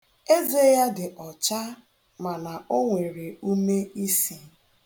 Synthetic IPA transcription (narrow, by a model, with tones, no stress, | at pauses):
e˦ze˦ja˦dɪ˨ʔɔ˨t͡ʃa˦ | ma˨na˨o˦ŋʷe˨ɾe˨u˦me˦i˦si˨